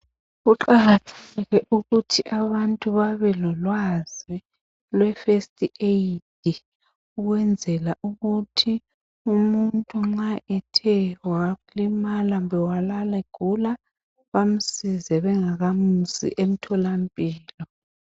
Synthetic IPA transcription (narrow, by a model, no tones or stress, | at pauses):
ɣuǃaɣatʰɛɣɛʔuɣutʰiʔaβantʼuβaβɛlɔlwazi | lwɛfestʼiʔetʰi | uɣwɛnd͡zʱɛlaʔuɣutʰi | umuntʼuŋ͡ǁaʔɛtʰɛwaɣulimalambʱɛwalalɛɡ̥ʱula | βam̩sizɛβɛŋaɣamusḭʔem̩tʰɔlampʼiːlɔ